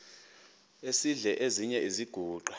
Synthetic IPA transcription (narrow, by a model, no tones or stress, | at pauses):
esiɮɛʔeziɲɛiziɡ̥ʱuːǃʱwa